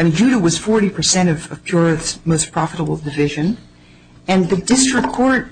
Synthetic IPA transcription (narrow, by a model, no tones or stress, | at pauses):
ɪmĩnd͡ʒʉɾəwʌz̥fɔɹɾipʰə˞sɛ̃ɾ̃ʌvʌv̥pʰj̥ʊɹɨθsmoʊspʰɹ̥ɑfəɾəbl̩ˠdɨvɪʒɨ̃n | ɨ̃nðɨdɪstɹ̥ɨkʰːɔɹt̚